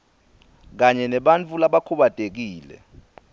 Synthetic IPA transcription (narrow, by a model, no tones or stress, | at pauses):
k̬aɲɛnɛɓant͡fʰʼulaɓakʰuɓatʼek̬iːlɛ̰